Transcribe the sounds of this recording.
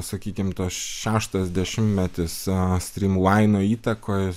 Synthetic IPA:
sɐkʲiːkʲɪmt̪oːsʃʲæːʃt̪ɐzʲd̪ʲɛʃʲɪmʲmʲɛt̪ʲɪssʲt̪ʲɾʲiːmlɐɪnoːiːt̪ɐkoːj

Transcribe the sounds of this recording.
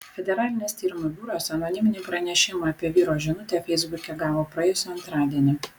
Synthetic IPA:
fʲɛd̪ʲɛɾɑːlʲɪnʲeːst̪ʲiːɾʲɪmʊbʲuːɾoːsɐnoːnʲɪmʲɪnʲiːpɾɐnʲɛʃʲɪmɑːpʲiɛʋʲiːɾoːʒʲɪnʊt̪ʲɛˑfʲɛɪzbʊkʲɛɡɑːʋoːpɾɐjɛjʊsʲɛɐnt̪ɾɑːd̪ʲiɛnʲɪ

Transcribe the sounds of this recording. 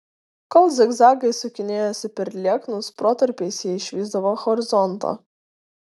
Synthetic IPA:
kɔlˠzʲɛɡzɑːɡɐɪsʊkʲɪnʲeːjosʲɪpʲɛɾʲlʲiɛknʊspɾoːt̪ɐɾʲpʲeɪsʲjɛɪʃʲʋʲiːzd̪ɐʋoːxɔɾʲɪzɔnˑt̪o̰ː

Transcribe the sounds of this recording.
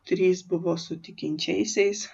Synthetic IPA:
t̪ʲɾʲiːsbʊʋoːsʊt̪ʲɪkʲɪnʲt͡ʃʲɛɪsʲɛɪs

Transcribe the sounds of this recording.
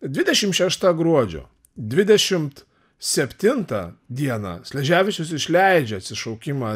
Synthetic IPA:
d̪ʲʋʲɪd̪ʲɛʃʲɪmt̪ʃʲɛʃt̪ɑɡɾuɔd͡ʒʲo̰ː | d̪ʲʋʲɪd̪ʲɛʃʲɪmt̪ | sʲɛpʲt̪ʲɪnt̪ɐ̰d̪ʲiɛnɑ̰sʲlʲɛʒʲæːʋʲɪt͡ʃʲʊsɪʃʲlʲæɪd͡ʒʲɛɐt̪sʲɪʃɒʊkʲɪmɑ

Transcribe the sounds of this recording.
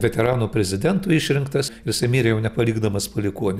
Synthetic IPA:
ʋʲɛt̪ʲɛɾɑːnuːpʲɾʲɛzʲɪd̪ʲɛnt̪uːɪʃʲɾʲɪŋkt̪ɐsɪɾjɪsɐɪmʲiːɾʲɛjɛʊnʲɛpɐlʲiːɡd̪ɐmɐspɐlʲɪkuɔnʲɪ

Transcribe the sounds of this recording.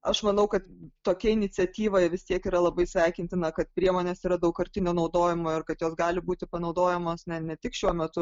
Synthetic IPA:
ɐʃmɐnɐʊkɐt̪t̪oːkʲɛɪnʲɪt͡sʲɛt̪ʲiːʋoːjʋʲɪst̪ʲiɛkiːɾɐlˠɐbɐɪsʲʋʲɛɪkʲɪnʲt̪ʲɪnɐkɐt̪̚pʲɾʲiɛmoːnʲeːsiːɾɐd̪ɐʊkkɐɾʲt̪ʲɪnʲoːnɐʊd̪oːjɪmoːɪrkɐt̪joːsɡɑːlʲɪbuːt̪ʲɪpɐnɐʊd̪oːjɛmoːsnʲɛnʲɛt̪ʲɪkʃʲuɔmʲɛt̪ʊ

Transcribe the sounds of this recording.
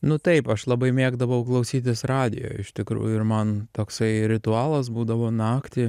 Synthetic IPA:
nʊt̪ɐɪpɐʃlˠɐbɐɪmʲeːɡd̪ɐʋɐʊklˠɐʊsʲiːt̪ʲɪsrɑːd̪ʲɪ̰jo̰ːjɪʃt̪ʲɪkɾṵːjʊɪɾmɐnt̪oːksɐɪɾʲɪt̪ʊɑːlˠɐs̬buːd̪ɐʋoːnɑːkt̪ʲɪ

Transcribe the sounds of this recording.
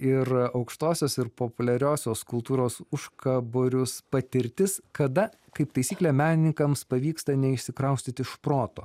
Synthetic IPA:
ɪɾɐʊkʃt̪oːsʲoːsɪɾpoːpʊlʲɛɾʲoːsʲoːskʊlˠt̪uːɾoːsʊʃkɐboːɾʲʊspɐt̪ʲɪɾʲt̪ʲɪskɐd̪ɐ | kɐɪpt̪ɐɪsʲiːklʲæmʲæːnʲɪnʲɪŋkɐmspɐʋʲiːkst̪ɐnʲɛɪʃʲsʲɪkɾɐʊsʲt̪ʲɪt̪ʲɪʃpɾoːt̪o̰ː

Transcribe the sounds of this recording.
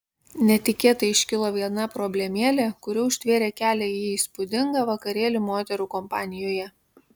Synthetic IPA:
nʲɛt̪ʲɪkʲeːt̪ɐɪʃʲkʲɪlˠoːʋʲiɛnɐpɾɔbʲlʲɛmʲeːlʲekʊɾʲuʊʃʲt̪ʲʋʲeːɾʲeːkʲæːlʲɛiːispʊd̪ʲɪŋɡɐʋɐkɐɾʲeːlʲumoːt̪ʲɛɾuːkɔmpɑːnʲɪjoːjɛ

